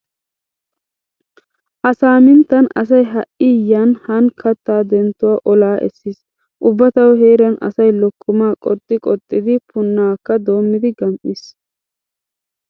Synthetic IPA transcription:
hɐsaːmɪnt̪ːɐnɐ̰s̬ɐjɦɐʔɪjːanhɐnkʰɐt̪ːaːd̪ɛnt̪ːʊwaːʔɔlaːʔɛ̰sːiːs | ʔʊbːɐt̪ɐwɔhe̞ːɾɐnɐ̰sɐjlɔkːʊmaːkʼɔt̪ʼːɪkʼɔt̪ʼːɪd̪ɪpʰʊnːaːkːɐd̪o̞ːmːɪd̪ɪɡɐmʔis

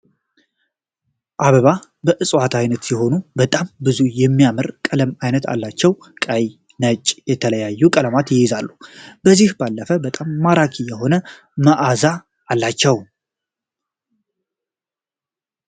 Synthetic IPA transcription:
ʔaβəβa | bəʔɨsʼwat̪ʰajnət̪siho̞nubət̪ʼambɨzujɛmːijamɨɾkʼələmajnət̪ʰa̰lːat͡ʃːɛw | kʼəj | nət͡ʃʼjɛt̪ʰələjajːukʼələmat̪jɪjɪzalːub̥əzihbalːəfəbət̪ʼamːaɾakʰijɛho̞nə | məʔazaː | lːat͡ʃːɛw

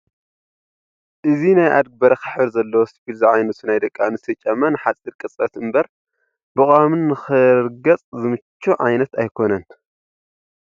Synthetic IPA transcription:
ʔɨzinajʔa̰d̪̚ɡ̚bɐɾɐkʰɨ̥ħbɨɾzɐlːɐwosifilzɨʕajnɐt̪ɨnajd̪ɐkʼːanɨsʰɐt͡ʃʼɐmːɐnɨħat͡sʼiɾkʼɨt͡sʼɐt̪ɨmbɐɾ | bɨkʼamɨnːɨxɨɾɡɐt͡sʼzɨmɨt͡ʃːuʕajnɐt̪ajkʰo̞nɐn

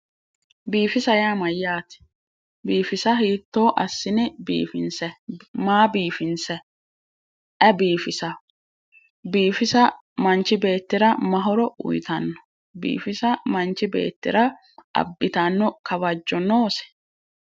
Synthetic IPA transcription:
biːfɪsɐjaːmɐjːaːt̪ɪ̥ | biːfɪsɐɦiːt̪ːo̞ːʔɐsːɪnɛbḭːfɪnsɛmaːbiːfɪnsɛ | ʔɛbiːfɪsɐ | biːfɪsɐ | mɐnt͡ʃːɪbe̞ːt̪ːɪɾɐmɐɦɔɾɔʊ̰jt̪ɐnːɔ̥ | bḭːfɪsɐmɐnt͡ʃːɪbe̞̰ːt̪ːɪɾɐ | ʔɐ̰bːɪt̪ɐnːɔkɐbɐd͡ʒːɔno̞ːsɛ̥

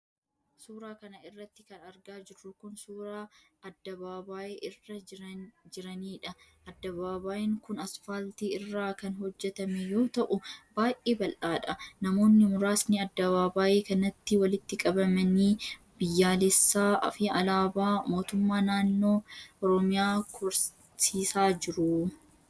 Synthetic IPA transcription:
suːɾaːkɐnɐɪrːɐt̪ːɪkɐnɐɾɡaːd͡ʒɪrːʊkʊnsuːɾaːɐd̪ːɐβaːbaːjeːʔɪrːɐ | d͡ʒɪɾɐniːᶑɐ | ɐd̪ːɐβaːbaːjɪŋkʊnɐsfalt̪iɪrːaːkɐnɦɔd͡ʒːɛt̪ɐmɛjo̞ːt̪ɐʔʊb̥aːjʔeːbɐlʔaːᶑɐnɐmo̞ːnːɪmʊɾaːsnɪɐd̪ːɐβaːbaːʔeːkɐnːɐt̪ːɪwɐlɪt̪ːɪkʼɐbɐmɐniː | bɪjːaːlɛsːaːʔɐ̰fiɐlaːbaːmo̞ːt̪ʊmːaːnaːnːo̞ːɔɾɔmɪjaːkʰʊɾ | siːsaːd͡ʒɪɾʊ

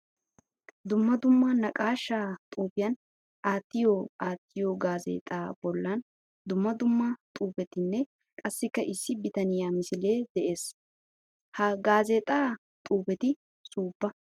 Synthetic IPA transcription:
d̪ʊmːɐd̪ʊmːɐnɐkʼaːʃːaːt̪ʼuːpɪjɐn | ʔaːt̪ːɪjoːaːt̪ːɪjoːɡaːzḛːt̪ʼaːbɔlːɐn | d̪ʊmːɐd̪ʊmːɐt̪ʼuːpɛt̪ɪnːɛ | kʼɐsːɪkːɐʔɪsːɪbɪt̪ɐnɪjamɪsɪle̞ːd̪ɛʔe̞ːs | hɐɡaːze̞ːt̪ʼaː | t̪ʼuːpɛt̪ɪ | suːbːɐ

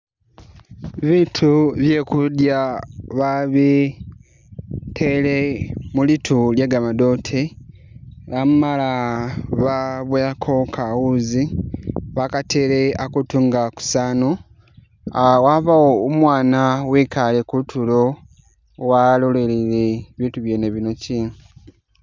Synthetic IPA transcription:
βitʰuβje̞ːkudjaβaβi | tʰe̞lemulitʰuljeɡamado̞tʰe | lamumalaβaβweakʰokʰawuziβakateleakutuŋɡaku̥saːno | awaβawoːmwaːnawikalekutʰulo̞ | walole̞lileβiːntuβjeːneβino̞ci

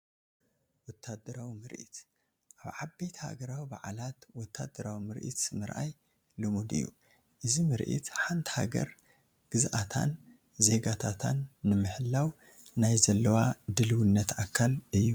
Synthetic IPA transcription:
wɔt̪ʰːad̪ɐɾawimɨɾʔḭt̪ | ʔaβʕabːejt̪ʰha̰ɡɐɾawiba̰ʕalat̪wɔt̪ʰːad̪ɐɾawimɨɾʔḭt̪zɨmɨɾʔa̰j | lɨmud̪ɨ̰jːṵ | ʔɨzimɨɾʔḭt̪ħant̪ʰha̰ɡɐ̰ɾ | ɡ̥ɨzʔat̪ʰa̰n | ze̞ɡat̪ʰat̪ʰanːɨmɨħɨlːaw | najzɐlːɐwad̪ɨlɨwunːɐt̪ʔakʰːalʔɨjːu

